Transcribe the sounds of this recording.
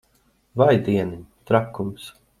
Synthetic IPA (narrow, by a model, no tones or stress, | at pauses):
vajd̪iɛnit̪ɾakːums